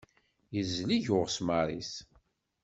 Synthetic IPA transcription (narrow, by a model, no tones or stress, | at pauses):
jəzliʝʊʁsmaɾˤis